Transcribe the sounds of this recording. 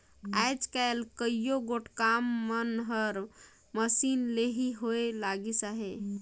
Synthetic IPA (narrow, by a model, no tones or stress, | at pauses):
ajd͡ʒkaelkəijoɡoʈkamːənɦəɾ | məsinleɦiɦoelaɡisaɦe